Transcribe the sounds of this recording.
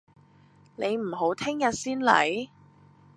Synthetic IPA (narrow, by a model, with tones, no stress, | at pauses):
ne˨˧jm̩˨˩ɦo˨˥wt̪ʰɪ˥ŋjɐ˨t̚siː˥nlɐ̰˨˥j